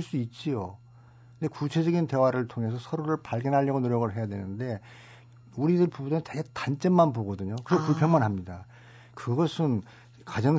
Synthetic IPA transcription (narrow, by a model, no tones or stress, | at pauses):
ɭs͈uit̚t͡ɕ͈ijo | ɯnde̞kut͡ɕʰe̞d͡ʑʌɡinte̞waɾɯɭtʰoŋe̞s̬ʰʌsʰʌɾoɾɯɭpaɭɡjʌnɦaʎːʌɡonoɾjʌɡɯɭɦe̞jadwe̞̰nɯnde̞ | uɾidɯɾpubudont͡ɕeɡetant͡ɕ͈emmanpoɡʌdɯɲokɯɾeɡopuɭpʰjʌŋmanɦamɲida | kɯɡʌsʰɯn | kad͡ʑʌŋ